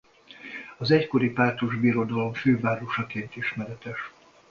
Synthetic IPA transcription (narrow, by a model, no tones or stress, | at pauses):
ɒzɛcko̞ɾipaːrt̪uʒbiːɾo̞d̪ɒlo̞mføːvaːɾoʃɒkeːnt̪iʃmɛɾɛt̪ɛʃ